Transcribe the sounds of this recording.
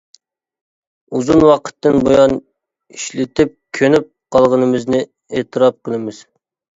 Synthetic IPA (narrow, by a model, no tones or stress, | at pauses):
uzunwɑqʰə̥t̪ːɨnbojɑn | iʃlɪt̪ɪp̚kʲʰønyp̚qʰɑlˠʁənɨmɪznɪ | eːt̪ʰɨɾɑp̚qəlˠɪmɪz̥